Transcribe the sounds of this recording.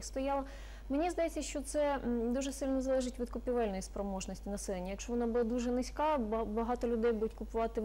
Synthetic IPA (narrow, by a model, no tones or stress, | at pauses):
st̪ɔjɑlˠɐ | menʲizd̪ɐjet͡sʲːɐʃt͡ʃɔt̪sɛd̪uʒɛsɪlʲnɔzɐlˠɛʒɪtʲʋʲid̪kʊpʲiʋɛlʲnɔjispɾɔmɔʒnɔsʲtʲinɐsɛlˠenʲːɐjɐkʃt͡ʃɔʋɔnɑbulˠɐd̪uʒɛnɪsʲkɑbɐɦɑt̪ɔlʲʊd̪ɛjbud̪ʊtʲkʊpʊʋɑt̪ɪ